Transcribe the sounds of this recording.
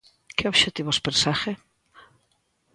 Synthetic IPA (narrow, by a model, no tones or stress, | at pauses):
keoβʃet̪iβospeɾsaxe